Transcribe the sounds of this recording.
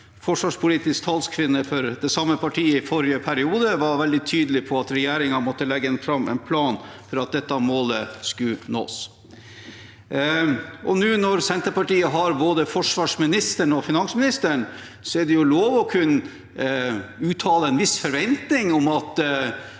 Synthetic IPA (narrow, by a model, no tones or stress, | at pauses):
fɔʂʋɑːʂpʰʊliːt̪ɪskt̪ʰɑːlskʰʋɪnːəfɔɾd̪ɛsɑmːəpʰɑʈʰiːəɪfɔɾɪəpʰæɾɪuːd̪əʋɑɾʋɛld̪ɪt̪ʰyːd̪əlɪpʰɔɑt̪ɾɛjeːɾɪŋɑmɔt̪ːəlɛɡːəɛnfɾɑmɛ̰npʰlɑːnfɔɾɑt̪̚d̪ɛt̪ːɑmoːləskʉno̰ːs | ʔɔnʉːnɔɾsɛnt̪əɾpɑʈiːəɦɑɾboːd̪əfɔʂʋɑːʂmɪnɪst̪əɳɔfɪnɑŋsmɪnɪst̪əɳ | sɔɛɖɛjʊloːʋɔkʰʉnːə | ʉːt̪ʰɑːləɛnʋɪsfɔɾʋɛnt̪nɪŋɔmɑt̪